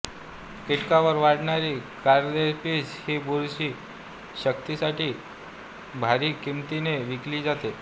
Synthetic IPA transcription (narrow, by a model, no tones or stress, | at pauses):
kiʈkaʋəɾʋaɽɳaɾiːkaɾd̪espiːshiːbuɾɕiː | ɕək̚t̪isaʈiː | bʱaɾiːkimt̪ineʋikliːd͡zat̪e